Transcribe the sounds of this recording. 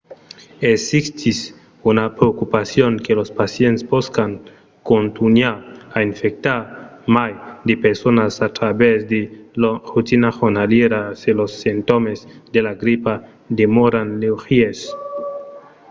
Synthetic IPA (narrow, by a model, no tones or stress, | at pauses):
esist̪is | unapɾeokupasjoŋkelospasjentsboskaŋ | kont̪unaɾaiɱfek̚t̪aɾmajd̪epeɾsonasat̪ɾaβezd̪elarut̪inaʁonaljeɾaselosːent̪omezd̪elaɡɾipa | d̪emoɾanlexies